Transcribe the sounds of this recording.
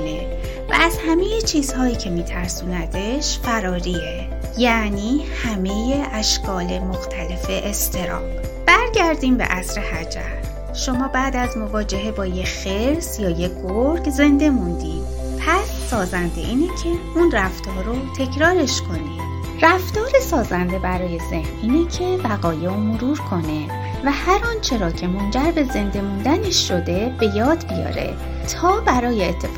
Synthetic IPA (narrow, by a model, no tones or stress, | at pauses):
ne | væ̰æz̥hæmejet͡ʃʰiːz̥hɒːjiːcʰe̞miːt̪ʰæɾsuːnæt̪ʰe̞ʃfæɾɒːɾie | jæniːhæme̞je̞ʔæʃkʰɒːle̞moxt̪ʰæle̞fe̞ʔest̪ʰe̞ɾɒ̰ː | b̥æɾɟæɾd̪iːmbḛʔæsɾe̞hæd͡ʒæ̰ɾ | ʃo̞mɒːbæːd̪æzmo̞vɒːd͡ʒe̞ɦe̞bɒːjecxeɾsjɒːjeɡoɾɡze̞nd̪e̞mund̪ḭːd̪̥ | pʰæsːɒːzænd̪e̞̰ʔiːnecʰe̞unræft̪ʰɒːɾot̪ʰe̞cʰɾɒːɾe̞ʃkʰo̞niːd̪̥ | ræft̪ɒːɾesɒːzænd̪e̞bæɾɒːje̞ze̞hnʔiːnecʰe̞væɣɒːjeomoɾuːɾkʰo̞ne̞ | væhæɾɒːnt͡ʃʰe̞ɾɒːcʰe̞mo̞nd͡ʒæɾbe̞ze̞nd̪e̞mund̪æneʃːo̞d̪e̞b̥e̞jɒːd̪bijɒ̰ːɾe̞̰ | t̪ʰɒːbæɾɒːjeːt̪ʰːe